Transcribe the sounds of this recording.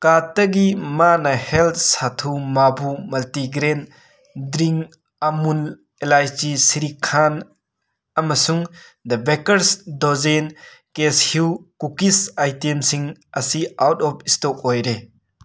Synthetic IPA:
katɐɡimanɐhelt̪̚ʰsatʰumabumɐltiɡɾen | dɾiŋ | amun | elajd͡ʒisiɾikʰan | ɐmɐsuŋd̪ɐbekɐɾsdɔzenkeshiwkukisajtemsiŋɐsiawtɔpʰistɔk̚ɔjɾe

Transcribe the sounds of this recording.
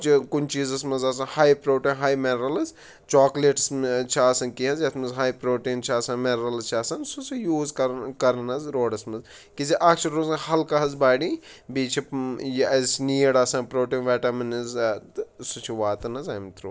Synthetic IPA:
t͡ʃikunt͡ʃiːzɐsmɐzasɐhaːjpɾoːʈiːnɦaːjmenɾɐlɐz | t͡ʃaːkleʈst͡ʃʰaːsɐnkiɦɐzjɐt̪ʰmɐzɦaːjpɾoːʈiːnt͡ʃʰaːsãːmeɾɾɐlɐzt͡ʃʰaːsɐnsut͡sijuːzkɐkɐɾɐnɐzɾoːɖɐsmɐz | kiziʔaːkt͡ʃʰɐɾɾoːzhɐlkaɦɐzbaːɽibit͡ʃʰipjɐzsniːɐɽaːsaːnpɾoːʈiːnʋɛːʈɐmɐnizt̪sut͡ʃʰiʋaːt̪ɐnɐzaːmt̪ɾuː

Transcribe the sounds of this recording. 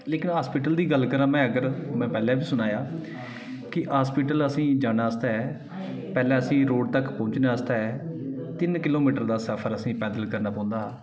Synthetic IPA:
leːkɪnɦaːspiːʈəld̪iːɡəlkəɾãːmɛ̃ːəɡəɾmɛ̃ːpɛːlɛ̃ːbiːsʊnaːjaː | kɪɦaːspiːʈələsĩːd͡ʒaːɽaːəst̪aːɛː | pɛːlɛ̃ːəsĩːɾoːɖt̪əkpɔ̃ːt͡ʃnaːəst̪aːɛːt̪ɪnkɪloːmiːʈəɾd̪aːsəpʰəɾəsĩːpɛːd̪əlkəɾnaːpãːʊ̃nd̪aː

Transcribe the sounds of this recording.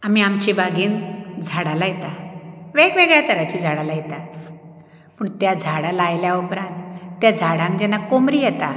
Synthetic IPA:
amiamt͡ɕibaɡiːnd͡zʱaɽalajɛt̪aʋeɡʋeɡɭjat̪ʰəɾat͡ɕiːd͡zʱaɽalajɛt̪a | pəːɳt̪jad͡zʱaɽalajljaupɾãnt̪ːjad͡zʱaɽãŋkd͡ʑɛnakomɾiːjɛt̪a

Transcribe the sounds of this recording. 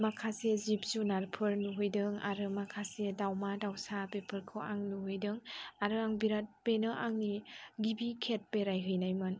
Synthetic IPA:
makʰasezip̚sunaɾpʰɯɾnuɦɯjdɯŋa̰ɾɯmakʰasedawmadawsapepʰɯɾkʰɯʔa̰ŋnuɦɯjdɯŋaɾɯaŋbiɾat̚penɯʔaŋniɡibikʰet̚peɾajɦɯjnajmɯn

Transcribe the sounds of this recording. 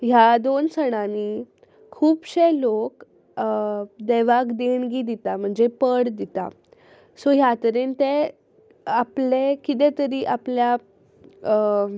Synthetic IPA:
ɦjad̪onsəɽ̃ani | kʰuːpɕelok | d̪eʋakd̪eɳɡiːd̪it̪am̤əɳd͡zepəɽd̪it̪a̰ | soɦjat̪əɾent̪e | aplekit̪ẽt̪əɾiːʔaplja

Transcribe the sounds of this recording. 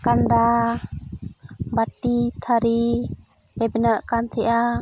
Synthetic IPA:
kanɖa | baʈit̪ʰaɾi | lɛbɛnaʔkant̪ʰɛʔa

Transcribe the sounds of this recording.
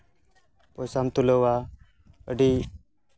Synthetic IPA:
pɔsamt̪uləwa | əɖi

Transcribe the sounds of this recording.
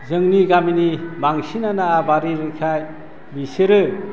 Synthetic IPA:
zɯŋniɡaminibaŋsinanaabaɾiɾɯkʰaj | biseɾɯ

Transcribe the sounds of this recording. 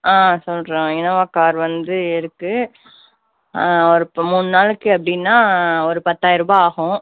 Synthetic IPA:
aːsɔlɾẽːɪnɐʋaːkaːɾʋɐnd̪ɯɪɾɯkːɯ | ɔɾɯpmuːnnaːlɯkːɯɐpːɐɽɪnːaːɔɾɯpɐt̪ːaːjɪɾɯbaːaːɣʊ̃

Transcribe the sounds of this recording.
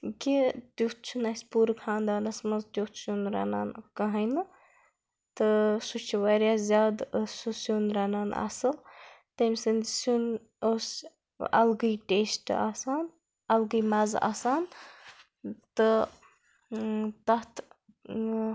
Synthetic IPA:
ket̪jukt̪̚t͡ʃʰunasʲpuːɾkʰãːnd̪aːnɐsmɐzt̪jukt̪sunɾa̰na̰ːnkɐɦɐjnɨ | t̪ɨsut͡ʃʰiʋaːɾjaːzʲjaːd̪susunɾaːnaːna̰sɐlt̪ɐmsɨnsun | os | ɐ̰lɡɨjʈeːsʈa̰ːsaːn | ɐlɡɨjmaza̰ːsaːn | t̪ɨ | t̪ɐt̪ʰ

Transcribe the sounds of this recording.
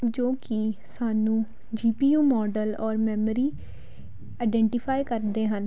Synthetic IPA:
d͡ʒoːkɪsaːnũː | d͡ʒiːpiːjuːmɔːɖəlɔːɾmɛːməɾiː | aːɪɖɛːɳʈɪpʰaːikəɾd̪eːɦən

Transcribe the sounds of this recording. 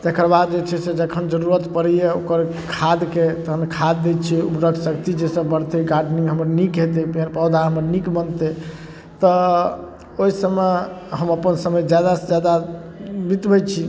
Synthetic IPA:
t̪ekʰəɾbad̪̚d͡ʒet͡ʃʰɛsed͡ʒəkʰənd͡ʒəɾuɾət̪pəɾijeokəɾ | kʰad̪ket̪əɦənkʰad̪ːɛt̪t͡ʃʰiupɾəksəkt̪id͡ʒesəbbəɽt̪ɛɡaɾɖnĩŋɡɦəməɾnikɦet̪epiəɾpəd̪ʱaɦəməɾnikbənt̪e | t̪ɔ | oisəmeɦəməpənsəməjd͡ʒjad̪ad͡ʒjad̪abit̪bɛt͡ʃʰi

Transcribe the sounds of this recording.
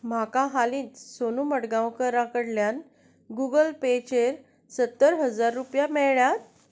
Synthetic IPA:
m̤akãɦalĩːnsonuməʈɡãwkəɾãkəɽljan | ɡuɡəlpet͡ɕeɾ | sət̪ːəɾɦəd͡zaɾːupjamɛɭɭjat̪̚

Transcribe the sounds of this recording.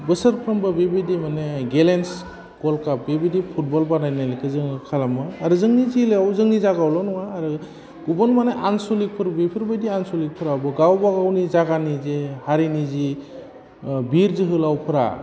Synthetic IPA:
bɯsaɾpʰɾɯmbɯbebidimaneɡelens | ɡ̥ɔlkap̚bebidipʰut̚bɔlbanajnajlekɯzɯŋkʰalamɯːɾɯzɯŋnizilɯawzɯŋnizaɡawlɔnɔŋaːɾɯ | ɡubɔnmaneʔansɔlik̚pʰɯɾbipʰɯɾbɯjdiansulik̚pʰɯɾabɔɡawbaɡawnizaɡanizehaɾinizi | biɾzɯɦɯlawpʰɯɾa̰

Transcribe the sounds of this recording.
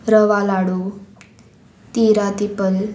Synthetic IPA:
ɾəʋalaɽu | t̪iɾat̪ipəl

